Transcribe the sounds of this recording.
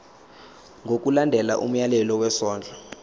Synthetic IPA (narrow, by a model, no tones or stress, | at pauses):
ŋɡʱok̬ʼulandʱɛla̰ʔṵm̩jalɛlɔwɛsɔːnd͡ɮʱa